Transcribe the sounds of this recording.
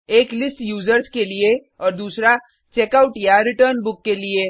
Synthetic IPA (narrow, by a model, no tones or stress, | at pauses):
eːklɪsʈjuːd͡ʒəɾskelie | ɔːɾd̪uːsɾa | t͡ʃeːkaːʊʈjaɾɪʈəɾnbʊkːelie